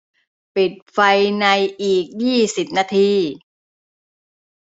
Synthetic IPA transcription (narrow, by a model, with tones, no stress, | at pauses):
pi˨˩t̪̚fa˧jna˧jʔiː˨˩k̚jiː˥˩si˨˩p̚naː˧t̪ʰiː˧